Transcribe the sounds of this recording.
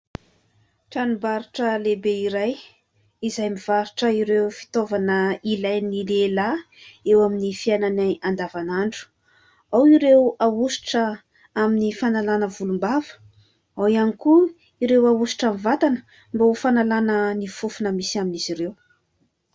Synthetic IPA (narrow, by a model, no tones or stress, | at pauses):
ʈ͡ʂanumbaɾuʈ͡ʂəlebeiɾaj | izajmivaɾuʈ͡ʂəiɾewfi̥t̪ovanəilajnilela | ewaminifiajnanaand̪avanaɳɖ͡ʐu̥ | awiɾewawusi̥ʈ͡ʂə | aminifanalanəvulumbavə̥ | awianiku | iɾewawusi̥ʈ͡ʂamivat̪anə̥ | mbaufanalanənifufunəmisaminiz̥iɾew